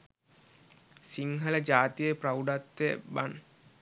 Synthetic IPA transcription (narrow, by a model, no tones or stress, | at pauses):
siŋɦɐləd͡ʒaːt̪ijəprawɖat̪ʋḛban